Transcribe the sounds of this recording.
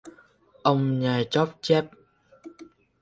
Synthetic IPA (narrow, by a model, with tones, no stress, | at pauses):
ʔə˧wŋ͡mɲaː˨˩t͡ɕɔ˦˥p̚t͡ɕɛ˦˥p̚